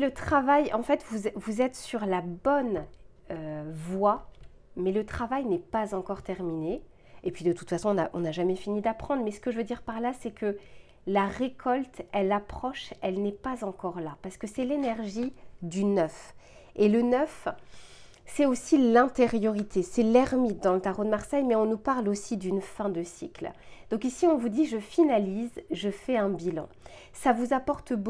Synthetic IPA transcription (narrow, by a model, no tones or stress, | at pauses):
lət̪χavajɑ̃fɛt̪vuzvuzɛt̪syʁlabɔn | øvwa | mɛlət̪χavajnɛpazɑ̃kɔʁt̪ɛʁmine | epɥid̪ət̪u̥t̪fasɔ̃ɔ̃naʔɔ̃naʒamɛfinid̪apχɑ̃d̪ʁmɛsə̥kəʒəvød̪iʁpaʁlasɛkʰə | laʁekʰɔlt̪ɛlapχɔʃɛlnɛpazɑ̃kɔʁlapaʁsə̥kəsɛlenɛʁʒid̪ynœf | elənœf | sɛosilɛ̃t̪eʁjɔʁit̪ʰesɛlɛʁmit̪̚d̪ɑ̃lət̪aʁod̪əmaʁsɛjmɛɔ̃nupaʁlosid̪ynfɛ̃d̪əsikld̪̥ɔ̃kisiɔ̃vud̪iʒəfinalizʒəfɛɛ̃bilɑ̰̃ | savuzapɔʁt̪b